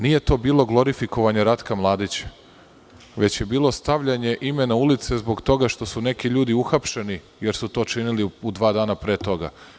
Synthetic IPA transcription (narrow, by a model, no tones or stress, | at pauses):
nije̞t̪o̞ːbiːlˠo̞ɡlˠo̞ɾifiko̞ʋaɲeɾat̪kamlˠaːd̪it͡ɕe̥ | ʋe̞t͡ɕje̞biːlˠo̞st̪aʋʎaɲe̞ʔime̞naulit̪se̞zbo̞ɡt̪o̞ɡaʃt̪o̞sune̞kiʎuːd̪iuxapʃe̞ni | je̞ɾsut̪o̞ːt͡ʃiniliud̪ʋaːd̪aːnapɾeːt̪o̞ɡa̰